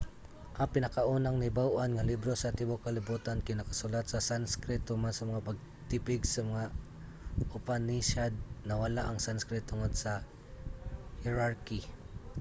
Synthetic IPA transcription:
ʔɐŋpɪnɐkaʔuːnaŋnɪbawʔanŋɐlibɾosɐt̪ɪbokɐlɪbuːt̪ankɪnakɐsulat̪̚sɐsanskɾɛt̪omansɐmɐŋapɐɡ̚ | t̪ɪpɪɡsɐmɐŋa | ʔʊpaniʃad̪̚nɐwɐlaʔɐŋsanskɾɪt̪ʊŋod̪sɐ | hɪɾaɹki

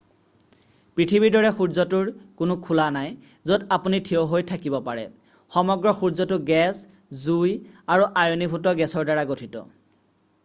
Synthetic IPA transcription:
pɹitʰibiɹdɔɹɛxuɹzɔtuɹkʊnʊkʰulanaj | zodapunitʰiowɦojtʰakibɔpaɹɛ̰ | xɔmɔɡɹɔxuɹzɔtʊɡɛs | zujaɹuʔajonibʱutɔɡɛsɔɹdaɹaɡotʰitɔ̰

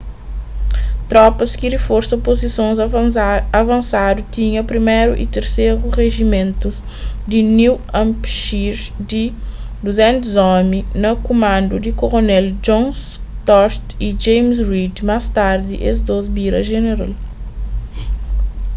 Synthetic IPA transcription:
t̪ɾɔpɐskidifoɾsɐpozisõnz | ɐvɐ̃nsad̪ut̪iɲɐpɾimeɾuʔḭt̪eɾseɾuʁeʒimẽnt̪uz | d̪iniw | ãmpʃiɾd̪i | d̪uzɛ̃nt̪uzɔminɐkumãnd̪ud̪ikoʁonɛld͡ʒõns | t̪ɔst̪id͡ʒẽjmsɾid̪mast̪aɾd̪ḭʔezd̪ozbiɾɐʒeneɾa̰l

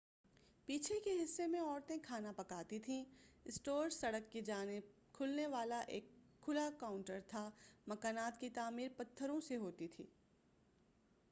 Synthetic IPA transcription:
piːt͡ʃʰekeɦɪsːemẽɔːɾt̪ẽkʰaːnapɐkaːt̪it̪ʰĩɪsʈoːɾsɐɽəkːid͡ʒaːn | kʰʊlneʋaːlaʔeːkʰː | ʊlakaːʊ̃ɳʈəɾt̪ʰamɐkaːnaːt̪kit̪aːmiːɾpɐt̪ʰːəɾõseɦoːt̪it̪ʰḭː

